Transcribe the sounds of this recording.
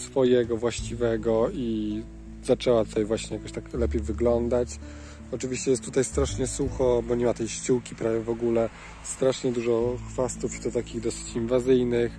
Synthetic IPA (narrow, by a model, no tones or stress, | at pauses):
sfɔjɛɡɔvwaɕt͡ɕivɛɡɔi | z̥at͡ʂɛwat̪u̥t̪ajvwaɕɲɛjakɔɕt̪aklɛpʲejvɘɡlɔnd̪at͡ɕ | ɔt͡ʂɘvʲiɕt͡ɕɛjɛst̪t̪ːut̪ajst̪ɾaʂɲɛsuxɔbɔɲimat̪ɛjɕt͡ɕuwkʲipɾavʲjɛvɔɡulɛ | st̪ɾaʂɲɛd̪uʐɔxfast̪ufi̥d̪ɔt̪akʲiɣd̪ɔsɘ̥t͡ɕinvazɘjnɘx